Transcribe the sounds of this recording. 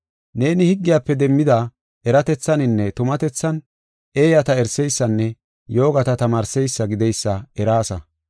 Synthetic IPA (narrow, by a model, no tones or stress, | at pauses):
ne̞ːnɪhɪɡːɪjaːpːɛd̪ɛmːɪd̪a | ʔɛɾɐt̪ɛt͡sːɐnɪnːɛt̪ʊmɐt̪ɛt͡sːɐn | e̞ːjɐt̪ɐɛɾsɛjsːɐnːɛ | jo̞ːɡɐt̪ɐt̪ɐmaːɾsɛjsːɐɡɪd̪ɛjsːɐɛɾaːsɐ̰